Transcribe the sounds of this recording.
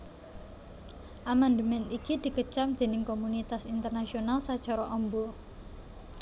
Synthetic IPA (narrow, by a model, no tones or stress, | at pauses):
ʔamand̪əmɛnikid̪̥i̤kət͡ʃamd̪̥e̤nɪŋkomunit̪asint̪ərnasionalsad̥ʒ̥aɾɔʔɔmbɔ